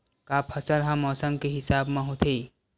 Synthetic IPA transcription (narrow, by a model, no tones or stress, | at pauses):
kaːpʰɐsəɾɦãmɔːsəmkeɦɪsaːbmẽɦot̪ʰeː